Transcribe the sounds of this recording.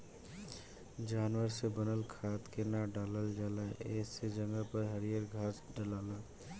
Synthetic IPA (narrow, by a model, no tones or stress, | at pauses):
d͡ʒaːnʋəɾsebənəlkʰaːt̪kenaɖaːləld͡ʒaːlaʔeed͡ʒəŋɡəpəɾɦəɾijəɾɡʱaːsɖəlaːlaː